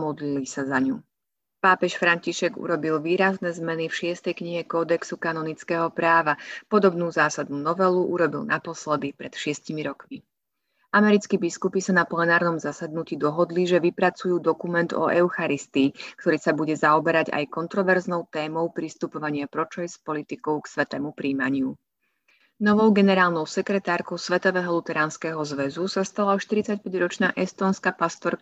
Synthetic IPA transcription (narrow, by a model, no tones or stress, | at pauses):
mɔd̪lilisazaɲuː | paːpɛʃfɾaɲciʃɛɡṵɾɔbilʋiːɾaznɛzmɛnifʃɪɛst̪ɛjkɲiɦɛkɔːd̪ɛksukanɔnit͡skɛːɦɔpɾaːʋapɔd̪ɔbnuːzaːsad̪nuːnɔʋɛluʔuɾɔbilnʔapɔslɛd̪ipɾɛt̪ʃɪɛscimiɾɔkmi | amɛɾit͡skibiskupisanaplɛnaːɾnɔmzasad̪nuciːd̪ɔɦɔd̪liʒɛʋipɾat͡sujuːd̪ɔkumɛnd̪ɔ̰ʔɛʊxaɾist̪iːkt̪ɔɾiːsabuɟɛzaɔbɛɾaɟa̰jkɔnt̪ɾɔʋɛɾznɔʊt̪ɛːmɔʊpɾist̪upɔʋaɲɪapɾɔt͡ʃɛjspɔlit̪ikɔʊksʋɛt̪ɛːmupɾiːma̰ɲɪu | nɔʋɔʊɡɛnɛɾaːlˠnɔʊsɛkɾɛt̪aːɾkɔʊsʋɛt̪ɔʋɛːɦɔlut̪ɛɾaːnskɛːɦɔzʋɛzusast̪alaɔʃt̪iɾit͡sacpɛɟɾɔt͡ʃnaʔɛst̪ɔːnskapast̪ɔɾ